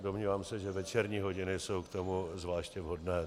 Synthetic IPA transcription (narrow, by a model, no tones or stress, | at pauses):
domɲiːvaːmsɛʒɛvɛt͡ʃɛɾɲiːɦo̞ɟɪnɪso̞wkt̪omuzvlaːʃcɛvɦo̞dnɛː